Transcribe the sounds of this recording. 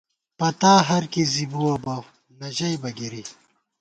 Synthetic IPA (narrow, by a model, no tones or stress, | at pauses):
pɐt̪aːɦɐɾkizibuwɐbɐ | nɐʑɐjbɐɡiɾi